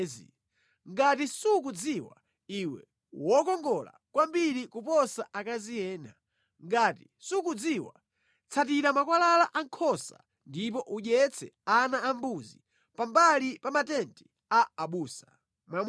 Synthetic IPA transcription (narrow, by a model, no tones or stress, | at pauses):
zḭ | ŋɡatisuk̬ud͡ziwa̰ | iwɛ̰ | wɔkɔŋɡɔla̰kwambiɾikupɔsaʔakazijɛːna | ŋɡaːti | sukud͡ziwa̰ | t͡sʰat̬iɾamakwalalaʔaŋkʰɔsa̰ | ndip̬ɔʔuʄɛt͡sʰɛanaambuzḭ | pambalipamatɛntʰi | aaɓuːsa | mam